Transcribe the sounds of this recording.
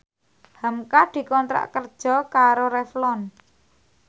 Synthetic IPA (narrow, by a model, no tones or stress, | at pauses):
hamkad̪̥i̤kɔnt̪ɾa̰ʔkərd̥ʒ̥ɔ̤kaɾoɾɛflɔn